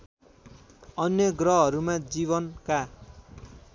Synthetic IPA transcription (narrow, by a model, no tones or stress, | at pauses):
ʌnjʌɡrʌɦʌɾumad͡ziβʌnka